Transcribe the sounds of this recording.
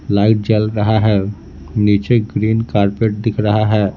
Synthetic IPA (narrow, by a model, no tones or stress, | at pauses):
laɪʈ̚d͡ʒəlɾəɦaɦɛ | nit͡ʃeɡɾiːnkaɾpeʈ̚d̪ɪkʰɾəɦaɦɛː